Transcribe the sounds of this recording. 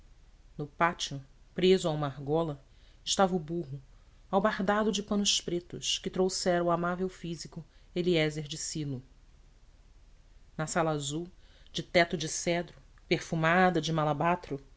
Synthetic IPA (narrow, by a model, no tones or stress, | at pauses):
nʊpat͡ʃʊ | pɾezʊaũmahɡɔlɐ | ɪʃt̪avɐubuɦʊ | awbaɦd̪ad̪ʊd͡ʒɪpɐ̃nʊʃpɾet̪ʊʃkɪt̪ɾowsɛɾɐ̃ʊamavewfizikʊeliɛzeɾd͡ʒɪsilʊ | nɐsalɐazuwd͡ʒɪt̪ɛt̪ʊd͡ʒɪsɛd̪ɾʊpeχfumad̪ɐd͡ʒɪmalabat̪ɾʊ